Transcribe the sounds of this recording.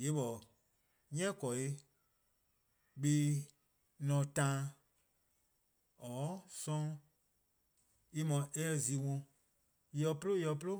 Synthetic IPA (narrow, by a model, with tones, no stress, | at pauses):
je˨˦ɓɔ˨ | ɲɛ̃˦kɔ˨e˧˦ | ɓe˦ | nɔ̃˧tã˦ | ɔː˨˦sɔ̃˦ | i˧mɔ̃˨ʔɛ˦˨zi˨wɔ̃˧ | i˧jɔ˧plo˦i˦ɔ˧˨plo˦